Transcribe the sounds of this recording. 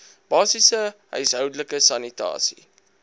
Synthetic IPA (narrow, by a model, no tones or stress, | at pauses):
b̥ɑːsisəɦœ̰ɥsɦœwdələkəsɐnitɑ̰ːsḭ